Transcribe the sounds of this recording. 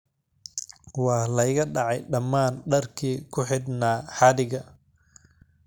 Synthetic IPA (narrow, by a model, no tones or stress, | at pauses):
wɑːlɐɪɣɐɖɑʕɑjɖɐmːaːnɖɐrkʰiːkʰʊħɪd̪naːħɑdɪɣɐ